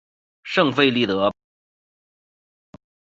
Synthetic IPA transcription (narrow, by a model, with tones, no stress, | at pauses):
ʂɤ˥˧ŋfe˥˧ɪli˥˩t̪ɤ˧˥